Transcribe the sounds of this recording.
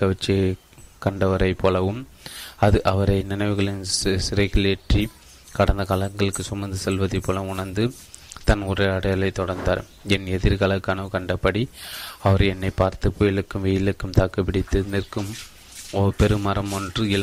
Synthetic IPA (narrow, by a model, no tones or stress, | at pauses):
kɐʋɐt͡ʃːi | kɐɳɖɐʋɐɾɐɪpːoːlɐʋɯm | ɐðɯʔɐʋɐɾɐɪnɪnɐɪʋɯɣɐɭɪnssɪɾɐɪɣɯleʈri | kɐɽɐnd̪ɐkɐlɐŋɡɐɭɯkːɯsʊmɐnd̪ɯsɛlʋɐðɐɪpːoːlɐmʊɳɐɾnd̪ɯ | t̪ɐnʊɾɐɪɐɽɐjɐlɐɪt̪ːɔɽɐɾnd̪aːɾ | ɛnɛðɪɾkɐlɐkːɐnɐʋɯkɐɳɖɐpːɐɽiɐʋɐɾɛnːɐɪpːaːɾt̪ɯpːoːjɪlɯkːɯmʋiːjɪlɯkːɯmt̪aːkɐpːɪɽɪt̪ːɯnɪrkɯm | ɔpɛɾɯmɐɾɐmɔndrɯɪl